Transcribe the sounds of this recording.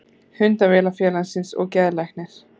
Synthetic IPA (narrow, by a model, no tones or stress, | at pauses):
hʏnt̪avɛːlafjɛːlansɪnsɔ̰ɣcɛːðlajxnɪɾ̥